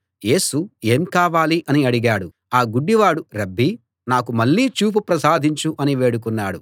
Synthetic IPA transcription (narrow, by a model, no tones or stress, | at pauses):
je̞ːsue̞ːmkaːʋaːliʔɐniɐɽiɡaːɽu | aːɡuɖːiʋaːɽuɾɐbːi | naːkumɐɭːiːt͡ʃuːp̬upɾɐsaːd̪ʱiɲt͡ʃuʔɐniʋe̞ːɽuk̬unːaːɽu